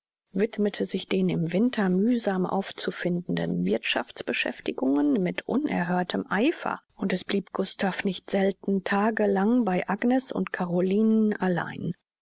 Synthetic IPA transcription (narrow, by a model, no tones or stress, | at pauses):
vɪtmətʰəzɪçd̥eːnɪmvɪntʰɐmyːzaːmʔa̰ʊft͡sufɪndn̩də̰nvɪɐtʃa̰ft͡sb̥əʃɛ̰ftɪɡʊŋənmɪtʔʊnʔɛ̰ɐɦøːɐtʰəmʔaɪfɐ̰ʔʊntɛsb̥liːpɡ̥ʊstʰafnɪçtz̥ɛltn̩tʰaːɡəlaŋbaɪʔaɡnɛsʊ̰ntkʰaʁoliːnənala̰ɪn